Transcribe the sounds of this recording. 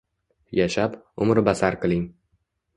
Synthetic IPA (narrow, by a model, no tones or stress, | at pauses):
jaʃap | ʊmɾbasaɾqɨlˠɪŋ